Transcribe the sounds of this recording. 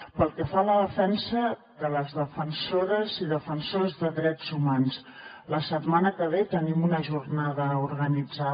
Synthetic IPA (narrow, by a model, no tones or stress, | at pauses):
pəlˠkɛfaləðəfɛnsə | ðələzðəfənsoɾəziðəfənsozðəðɾɛd͡zumans | ləsət̪manəkəβet̪ənimunəʒurnaðəuɾɣənid͡za